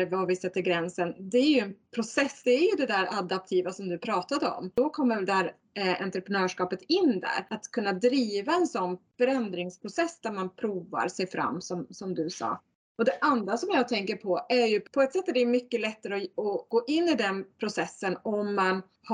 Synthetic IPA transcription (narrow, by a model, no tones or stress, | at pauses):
vavɪsɛt̪ːəɾɡɾɛnsənd̪ɛæɾjɵɛnpʰɾʊsɛsːd̪ɛːɾjɵd̪ɛd̪æɾad̪ap̚t̪ʰiːvasɔmd̪ɵpʰɾɑːt̪ad̪əɔ̰m̥ɔkʰɔmːəɾvɛld̪ɛhæːɾ | ɛ̰nt̪ɾəpɾɛnœːʂkɑːpət̪ɪnːd̪æ̰ɾat̪kʰɵnːad̪ɾiːvaɛnsɔnːfœɾɛnd̪ɾɪŋspʰɾʊsɛsːd̪æɾmanpʰɾuːva̰ɾsɛjfɾʔa̰mːsɔmsɔmd̪ɵsɑ̰ː | ɔd̪ɛʔand̪ɾasɔmjɑːt̪ʰɛŋkəɾpʰɔæɾjɵpʰɔɛt̪sɛt̪ːæɖ̪ɛmʏkːəlɛt̪ːaɾəɔɔɡ̥oːʔɪnːɪd̪ɛnpʰɾʊsɛsːənɔmːan | h